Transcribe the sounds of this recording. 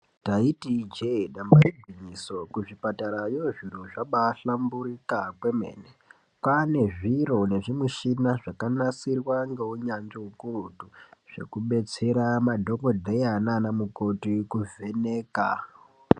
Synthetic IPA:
taitid͡ʒeɗambaibʱiɲiso̞kuʐipataɾajoʐiroʐaɓaɬambuɾikakwe̞mḛːne | kwane̞ʐiɾo̞ne̞ʐimweʃinaʐakanasirwaŋɡeuɲand͡ʒeukurutuʐ̥e̞̰kuɓe̞t͡se̞ɾamadʱo̞kodʱejananamuko̞tikuvʱe̞neːka̰

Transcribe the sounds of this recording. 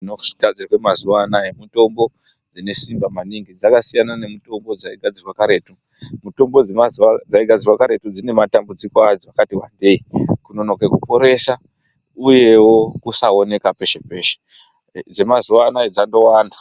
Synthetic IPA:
nosi̥ɡʱad͡zirwemazuwanaemito̞mbo̞ | d͡zine̞simbamaniŋɡid͡zakasijanane̞mito̞mbo̞d͡zaiɡʱad͡zirwakaɾe̞ːtu | muto̞mbo̞d͡zemazuad͡zaiɡʱad͡zirwakaɾe̞tud͡zine̞matambud͡zikoad͡zoakatiwa̰nde̞ikuno̞no̞kekupo̞ɾe̞sa | uje̞wo̞kusao̞ne̞kape̞ʃepeːʃe̥ | d͡ze̞mazuwanaed͡zando̞waːnda

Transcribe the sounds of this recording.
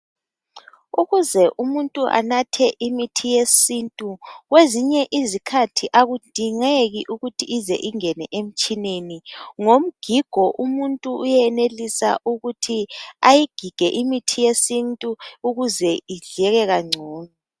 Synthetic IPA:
uɣuzɛʔumuntʼuʔa̰natʰɛʔimitʰijesintʼuɣweziɲɛʔizikʰatʰiʔaɣud̥ʱiŋeɣiʔuɣutʰiːzɛ̰ʔiŋɛnɛʔem̩t͡ʃʼineniŋom̩ɡ̥ʱiɡ̥ʱɔʔumuntʼuːjɛnelisa̰ʔuɣutʰiajiɡ̥ʱiɡ̥ʱɛʔimitʰijesintʼuuɣuzɛiɮɛɣɛɣaŋ͡ǀʱɔːnɔ

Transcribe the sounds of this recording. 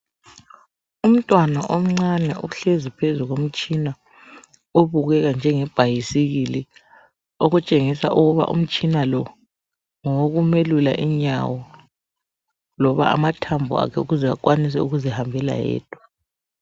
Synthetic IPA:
um̩tʼwanaʔom̩ŋ͡ǀanɛuɬezipʰezuɣom̩t͡ʃʼina | oβuɣɛɣand͡ʒʱɛŋɛb̥ʱajisiɣili | oɣut͡ʃʼeŋisa̰ʔuɣuβa̰ʔṵm̩t͡ʃʼinalɔ | ŋɔoɣumelula̰ʔiɲa̰wɔ | lɔβa̰a̰matʰambʱṵa̰kʰɛuɣuzɛak̬ʼwanis̬ɛuɣuzihambʱɛla̰jɛ̰ːd̥ʱwa

